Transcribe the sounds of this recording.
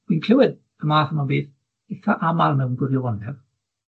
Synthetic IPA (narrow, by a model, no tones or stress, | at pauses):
winkʰl̥ɪwɪd̥ | əmaːθəmabeːθ | ɪtʰaʔamalˠmɛwnɡwɪɾjɔwandɛv̥